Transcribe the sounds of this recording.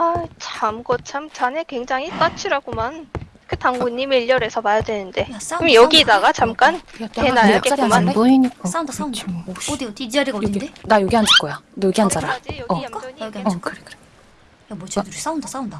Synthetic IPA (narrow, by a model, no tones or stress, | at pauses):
at͡ɕʰamɡʌt̚t͡ɕʰamt͡ɕanekweŋd͡ʑaŋit͈at͡ɕʰiɾaɡoman | kɯtaŋɡuɲːimiʎːʌɾe̞sʰʌmajadwenɯnde̞jas͈aɯmjʌɡidaɡat͡ɕamk͈an͈enakeaɾmaboiɲik͈os͈aundas͈aunodiot̪iid͡ʑaɾiɡaoindedajoɡiɦand͡ʑok͈ojanɯɡiɦand͡ʑaɾɾaʌk͈ajoɡiad͡ʑkɯɾekʰɯɾe | jamwʌt͡ɕedɯɾs͈aundas͈aunda